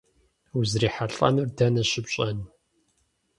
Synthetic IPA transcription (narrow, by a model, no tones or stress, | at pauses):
uzriːħaɬʼɐ̰nɨrdɐnɐɕɪbɕʼɐn